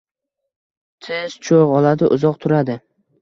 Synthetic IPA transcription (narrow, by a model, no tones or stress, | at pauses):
t̪ʰez̥t͡ʃʰoʁɒlad̪ɪʔʊzɒqt̪ʰʊɾad̪ɪ